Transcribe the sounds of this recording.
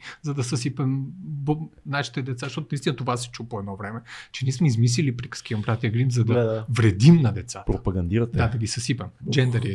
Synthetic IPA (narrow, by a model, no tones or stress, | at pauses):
zɐd̪ɐsɐsipɛmbonaʃi̥t̪ɛd̪ɛt̪sazəʃt̪ɔt̪nist̪inət̪ovasɛ̥t͡ʃupoɛd̪nɔvɾɛmɛt͡ʃɛnʲiɛsmɛizmis̬lilipɾikə̥skʲiɐmbɾat̪iəɡɾinzɐd̪ɐvɾɛd̪imnɐd̪ɛt̪sat̪pɾopɐɡɐnd̪iɾət̪dd̪ad̪ɐɡʲisɐsipɛmd͡ʒɛnd̪ɐɾi